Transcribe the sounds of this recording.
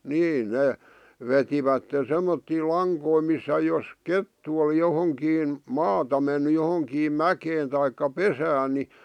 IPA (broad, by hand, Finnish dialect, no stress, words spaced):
niː neˑ ʋetiʋætːen̞ semːotːiː lɑŋkoi misːæ jos ketːu oli johoŋkiːn mɑːtɑ menːy johoŋkiːm mækeːn tɑikːɑ pesæːn ni